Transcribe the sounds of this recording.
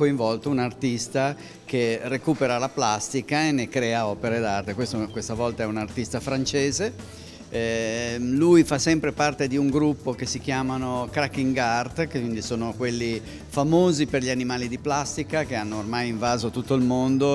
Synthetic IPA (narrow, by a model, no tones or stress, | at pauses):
koiɱvɔlt̪ounart̪ist̪a | kerekuːpeɾalaplast̪ikaenekɾɛːaɔːpeɾed̪art̪ekwest̪okwest̪avɔlt̪aɛunart̪ist̪afɾant͡ʃeːze | ɛ | lujfasɛmpɾepart̪ed̪iuŋɡɾupːokesik̟jaːmanokɾakːiŋɡart̪kind̪isoːnokwelːi | famoːziperʎianimaːlid̪iplast̪ikakeanːoormajiɱvaːzot̪ut̪ːoilmond̪o